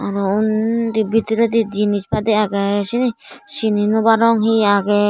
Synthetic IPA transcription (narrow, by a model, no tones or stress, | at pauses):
aɾound̪ibit̪iɾed̪id̪inĩt͡ʃpad̪iakeʃinĩʃinĩnũbaɾɔŋɦiake